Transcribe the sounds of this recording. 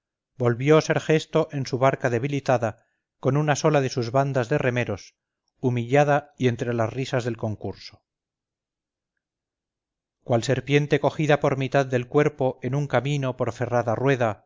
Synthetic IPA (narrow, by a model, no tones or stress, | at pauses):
bo̞lβjo̞se̞ɾxe̞st̪o̞ʔe̞nsuβaɾkaðe̞β̞ilit̪aða | ko̞nunaso̞laðe̞suzβand̪azðe̞re̞me̞ɾo̞s | umiʎaðaie̞nt̪ɾe̞lasrisazðe̞lko̞ŋkuɾso̥ | kwalse̞ɾpje̞nt̪e̞ko̞xiðapo̞ɾmit̪aðːe̞lkwe̞ɾpo̞ʔe̞nuŋkamino̞po̞ɾfe̞raðarwe̞ða